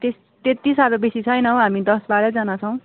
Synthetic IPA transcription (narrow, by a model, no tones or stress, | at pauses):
t̪es | t̪et̪ːisaɾʌbesit͡sʰʌjnʌ̃ɦamid̪ʌsbaɾʌd͡zanat͡sʰʌw̃